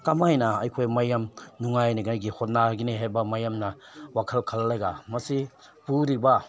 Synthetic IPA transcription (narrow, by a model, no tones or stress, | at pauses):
kamajnaɐ̰jkʰojmajamnuŋajniɡajɡihot̚naɡiniɦajbɐmajamnɐ | wakʰɐlkʰɐlːajɡamɐsi | puɾiba